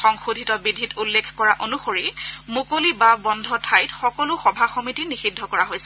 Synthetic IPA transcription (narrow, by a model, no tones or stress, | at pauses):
xɔŋxudʱitɔbidʱitulːekʰkɔɹaʔonuxoɹimukolibabɔndʱɔtʰajtxɔkɔlʊxɔbʱaxomitinixidʱːɔkɔɹaɦojsɛ̥